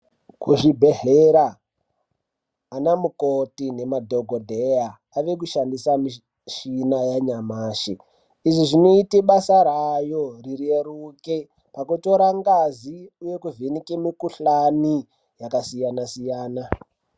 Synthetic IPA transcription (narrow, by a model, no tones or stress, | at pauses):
kuʐibʱe̞ɦeɾa | namukotine̞madʱoɡʱodʱejaː | ʋe̞k̬uʃandisami | ʃinajaɲamaːʃi | iʐiʐino̞itiɓasaɾajo̞rireɾuke | pakuto̞ɾaŋɡaziuje̞kuvʱenikemikuɬani | jakasijanasijaːna